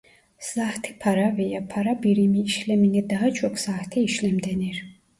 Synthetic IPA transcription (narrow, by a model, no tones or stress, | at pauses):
saht̪ʰipʰaɾavɛjapʰaɾabiɾimiːʃlɛminid̪aɦat͡ʃʰɔkʰsaht̪ʰiiʃlɛmd̪ɛniɾ